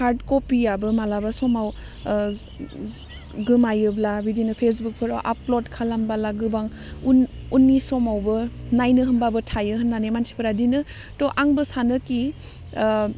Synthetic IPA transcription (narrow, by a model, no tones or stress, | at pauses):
kʰaɾdkopijabɯmalabasɔmaw | ɡɯmajɯblabidinɯpʰesbuk̚pʰɯɾawʔa̰plodkʰalambalaɡɯbaŋ | uunːisɔmawbɯnajnɯɦɯmbabɯtʰajɯɦɯnːanemansʰi̥pʰɯɾadinɯ | tɔʔaŋbɯsanɯki